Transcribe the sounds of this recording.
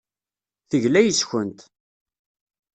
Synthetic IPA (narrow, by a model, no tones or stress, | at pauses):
θəʝlæjəsçənt̪